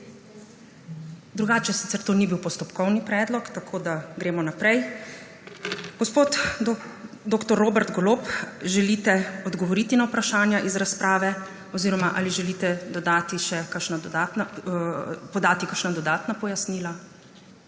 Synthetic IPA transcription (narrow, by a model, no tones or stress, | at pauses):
d̪ɾuɡaːt͡ʃɛsit̪ɛɾt̪oːnibiwpɔst̪ɔpkɔwnipɾɛːd̪lɔkt̪akʰoːd̪aɡɾeːmɔnapɾɛj | ɡ̥ɔspoːt̪ | d̪oːkt̪ɔɾːoːbɛɾt̪ɡɔloːpʒɛliːt̪ɛɔd̪ɡɔʋɔɾiːt̪inawpɾaʃaːnjaʔizɾaspɾʔaːʋɛ | ɔziːɾɔmaʔa̰liʒɛliːt̪ɛd̪ɔd̪aːt̪iʃɛkaʃnad̪ɔd̪at̪na | pɔd̪aːt̪ikəɾʃnad̪ɔd̪aːt̪napɔjasniːla